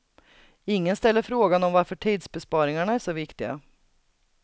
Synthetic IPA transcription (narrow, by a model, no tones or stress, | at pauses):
ɪŋːənst̪ɛlːəɾfɾoːɡanɔmvaɾfœʈʰiːd̪sbɛspɑːɾɪŋaɳaæʂɔvɪkt̪ɪɡa̰